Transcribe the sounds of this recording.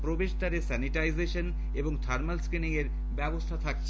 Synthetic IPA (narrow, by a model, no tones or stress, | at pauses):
pɾobeʃd̪aɾesɛniʈajzeʃon | eboŋt̪ʰaɾmalskɾiniŋeɾ | bɛbost̪ʰat̪ʰak̚t͡ɕʰ